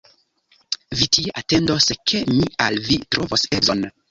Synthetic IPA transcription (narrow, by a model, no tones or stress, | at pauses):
vitieʔate̞ndoskʰe̞mialvitɾovosezon